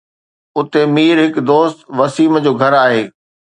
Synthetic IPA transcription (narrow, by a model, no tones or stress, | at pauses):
ʊt̪emiːɾɦɪkd̪oːst̪ʋɐsiːməd͡ʑoːɡʱɐɾaːɦeː